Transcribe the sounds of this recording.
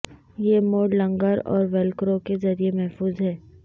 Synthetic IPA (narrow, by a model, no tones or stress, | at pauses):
jemoːɖlɐ̃ŋɡəɾɔ̰ːɾʋɛlkɾoːkezɐɾijemɛɦfuːzɦɛː